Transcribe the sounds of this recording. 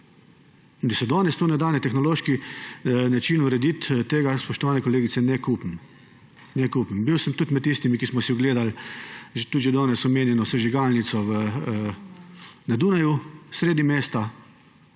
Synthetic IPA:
ind̪asɛd̪ɔːnɛst̪oːnɛd̪aːwnɛt̪ɛxnɔloːʃki | nat͡ʃinuɾɛd̪it̪t̪eːɡaspɔʃt̪ɔʋaːnɛkɔleːɡit̪sɛnɛkupn | nɛkupmbiwsəmt̪ut̪mɛt̪t̪ːist̪imikismɔsiɔɡleːd̪alʒt̪ut̪ʒɛd̪ɔːnɛsɔmeːnjɛnɔsɛʒiɡalnit̪sɔʋə | nad̪uːnajusɾeːd̪nimeːst̪a

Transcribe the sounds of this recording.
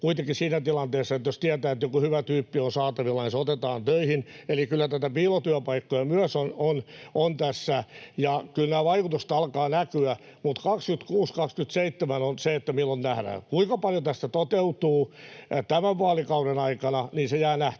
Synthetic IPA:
kuit̪ekisiːnæt̪ilɑnt̪eːsːɑet̪jost̪iæt̪æːet̪jokuhyʋæt̪yːpːionsɑːt̪ɑʋilːɑnisot̪et̪ɑːnt̪øihinelikylːæt̪æt̪æpiːlot̪yæpɑikːojɑmyœsononont̪æsːæjɑkylnæːʋɑikut̪ust̪ɑlkɑːnækyæ | mut̪kɑkskyt̪kuːskɑkskyt̪seit̪ːemænonseet̪ːæmilːonnæhɾæ̰kuiŋkɑpɑljot̪æst̪æt̪ot̪eut̪uːt̪æmæʋʋuɑlikɑuɾenɑikɑnɑniːnsejæːnæht̪

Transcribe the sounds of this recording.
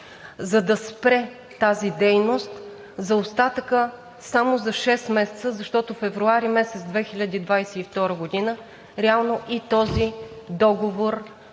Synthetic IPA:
zɐd̪ɐspɾɛ | t̪azid̪ɛjnost̪ | zɐost̪at̪əkə | samozɐʃɛst̪mɛsɛt̪səzɐʃt̪ɔt̪ofɛvɾuaɾimɛsɛt̪zd̪vɛxilʲəd̪ʲid̪vajsɛift̪ɔɾəɡod̪inə | ɾɛalˠnoʔit̪ɔzid̪ɔɡovoɾ

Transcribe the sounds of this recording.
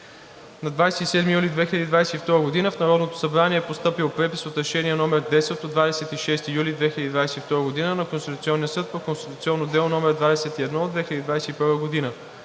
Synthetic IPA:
nɐd̪vajsɛt̪isɛd̪mijulʲid̪vɛxʲilʲəd̪id̪vajsɛift̪ɔɾəɡod̪inəfnɐɾɔd̪not̪o̥sɐbɾaniɛpost̪ɤpilˠpɾɛpisot̪ɾɛʃɛniɛnɔmɛɾd̪ɛsɛt̪od̪vad̪ɛsɛt̪iʃɛst̪ijulʲid̪vɛxʲilʲəd̪ʲid̪vajsɛift̪ɔɾəɡod̪inənɐkonst̪it̪ut̪iɔnːiəsɤt̪̚pokonst̪i̥t̪ut̪siɔnːod̪ɛlˠonɔmɛɾd̪vad̪ɛsɛt̪iɛd̪nɔːd̪vɛxilʲəd̪id̪vajsɛipɤɾvəɡod̪inə

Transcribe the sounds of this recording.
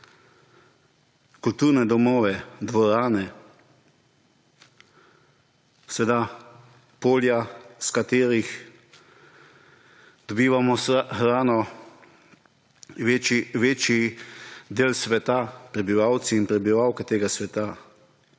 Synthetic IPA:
kult̪uɾnɛd̪ɔmɔːʋɛd̪ʋɔɾaːnɛ | sɛed̪a | poːljaskat̪eːɾix | d̪̥ɔbiːʋamɔxɾaːnɔ | ʋt͡ʃiʋeːt͡ʃi | d̪eːlsʋɛt̪apɾɛbiʋawt̪siːnpɾɛbiʋawkɛt̪eːɡasʋɛt̪a

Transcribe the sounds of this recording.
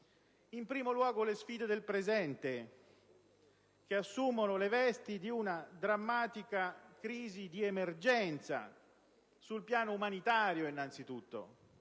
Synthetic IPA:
impɾiːmolwɔːɡolesfiːd̪ed̪elpɾezɛnt̪e | k̟easːumonolevɛst̪id̪iunad̪ɾamːaːt̪ikakɾiːzid̪iemerd͡ʒɛnt̪sa̰ | sulpjaːnoumanit̪aːɾjoinːant̪sit̪ut̪ːo̰

